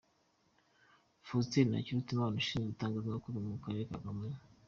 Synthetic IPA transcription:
fustiɾna̰ciɾutimaːnuʃiːnzeitaːŋɡaznokuβimukaɾekaɡame

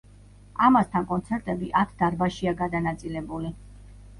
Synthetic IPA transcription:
amast̪ʰankʼɔnt̪sʰɛɾt̪ʼɛbiʔat̪ʰd̪aɾbaʃiaɡad̪anat̪sʼilɛbuli

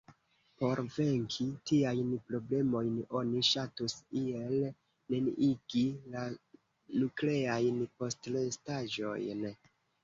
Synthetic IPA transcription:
po̞ɾve̞ŋkʰitiajnpɾo̞ble̞mo̞jno̞niʃatusiel | nenʔiɡila | nukle̞ajnpo̞stlestaʒo̞̰jn

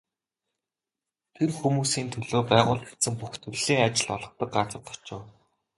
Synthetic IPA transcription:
t̪ʰerxumuːsiːnt̪ʰɵɮoːpæːʁʊːɮt̪xet̪sɘ̆mpuxt̪ʰɵɮɮiːŋat͡ɕɪ̆ɮɔɮɞ̆χt̪ə̆k̚ɢat͡sə̆t̪ʰɔ̥t͡ɕʊː

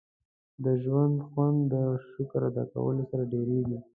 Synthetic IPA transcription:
d̪əʒwand̪xwand̪ːəʃʊkɾad̪ɑ̰ka̰wə̰losaɾaɖeɾeɡi

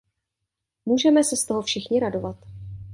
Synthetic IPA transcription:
muːʒɛmɛsɛst̪oɦofʃɪxɲɪɾado̞vat̪

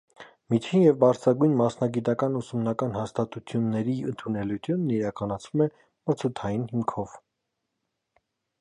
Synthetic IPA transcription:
mit͡ʃʰinjɛvbɑɾt͡sʰɾɑɡujnmɑsnɑɡit̪ɑkɑnusumnɑkɑnhɑst̪ɑt̪ut͡s̪ʰjunːɛɾiənt̪ʰunɛlujt̪ʰjunːiɾɑkɑnɑt͡sʰvumɛ | mət͡sʰut̪ʰɑjinhimkʰɔv̥

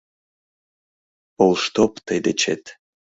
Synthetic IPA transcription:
olˠʃt̪opt̪əjd̪et͡ɕet̪

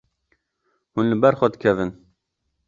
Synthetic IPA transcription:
hunlɨbɛɾxɛd̪ɨkʰɛvɨn

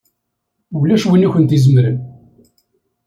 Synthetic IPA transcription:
wəlːæʃwəniçənt̪izəmɾən

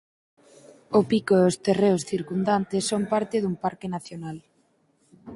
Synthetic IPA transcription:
opikoost̪ereosθiɾkund̪ant̪esːompaɾt̪eðumpaɾkenaθjonal

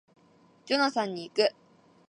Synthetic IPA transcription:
t͡ɕonasãɲ̟ːiːkɯ

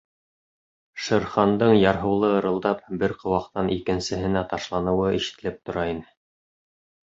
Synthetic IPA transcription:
ʃɤ̆ɾχɑnd̪ɤɴjɑɾɦɤ̆wlˠɤɤ̆ɾɤ̆lˠd̪ɑp̚bɘɾqʰɤ̆wɑqt̪ɑnʔikɘ̆nsɘ̆ɦɘ̆næt̪ɑʃlˠɑnɤ̆wɤĭʃɘ̥̆t̪ɘ̆lɘp̚t̪ŏɾɑinɘ

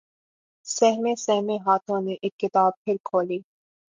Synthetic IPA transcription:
sɛɦmesɛɦmeɦaːt̪ʰõneʔeːkːɪt̪aːb̚pʰɪɾkʰoːliː

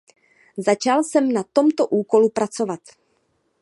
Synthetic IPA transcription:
zat͡ʃalsɛmnat̪o̞mt̪oʔuːko̞lupɾat͡so̞vat̪

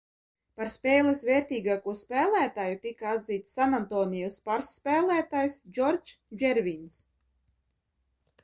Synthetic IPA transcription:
paɾspeːlˠɛsvɛːɾt̪iːɡaːkuɔspæːlˠæːt̪aːjut̪ikaad̪ziːt̪sːanant̪ɔːnijɔspaɾsːpʲæːlˠæːt̪ajsd͡ʒɔɾt͡ʃ | d͡ʒɛɾvins

